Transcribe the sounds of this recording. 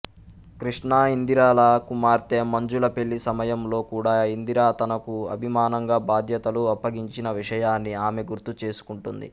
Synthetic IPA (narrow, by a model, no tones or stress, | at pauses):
kɾiʂɳaːind̪iɾaːlɐkumaːɾt̪e̞ːmɐɲd͡ʒulɐpe̞ɭːisɐmɐjɐmlo̞ːkuːɽaːind̪iɾaːt̪ɐnɐkuɐ̰bʱimaːnɐŋɡaːbaːd̪ʱjɐt̪ɐluɐpːɐɡiɲt͡ʃinɐʋiʂɐjaːnːiaːme̞ɡuɾt̪ut͡ʃe̞ːsu̥kuɳʈund̪ḭ